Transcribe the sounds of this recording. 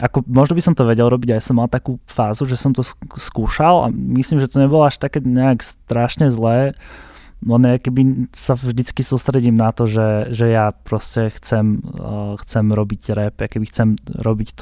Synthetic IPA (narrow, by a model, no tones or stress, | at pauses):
ʔakɔmɔʒnɔbisɔmt̪ɔʋɛɟɛlɾɔbiɟajasɔmːalt̪akuːfaːzuʒɛsɔmt̪ɔskuːʃalʔa̰mislimʒɛt̪ɔɲɛbɔlɔaʃt̪akɛːɲɛakst̪ɾaʃɲɛzlɛː | lɛnjakɛbisavʒd̪it͡skisuːst̪ɾɛɟiːmnat̪ɔʒɛʒɛjapɾɔscɛxt͡sɛmxt͡sɛmɾɔbiɟɾɛpakɛbixt͡sɛmɾɔbict̪